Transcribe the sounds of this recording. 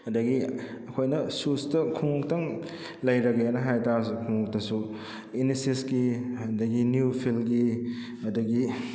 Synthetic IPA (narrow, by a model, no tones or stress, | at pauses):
hɐdɐɡiɐkʰojnɐsustɐkʰuŋk̚tɐŋ | lɐjɾɐɡeanɐɦajtas̬ukʰuŋuk̚tɐsu | inisisɡiɐdɐɡinjupʰilɡi | mɐdɐɡi